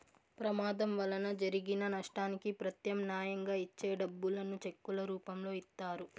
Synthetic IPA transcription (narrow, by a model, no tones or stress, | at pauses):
pɾɐmaːd̪ɐmʋɐlɐnɐd͡ʒɐɾiɡinɐnɐʂʈaːnikipɾɐt̪jɐmnjaːjɐŋɡaːit͡ʃːeːɖɐbːulɐnut͡ʃekːulɐɾuːpɐmlo̞ːit̪ːaːɾu